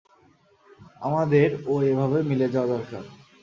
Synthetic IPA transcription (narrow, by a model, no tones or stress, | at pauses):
a̰mad̪eɾoebʱabemiled͡ʑaoad̪ɔɾka̰ɾ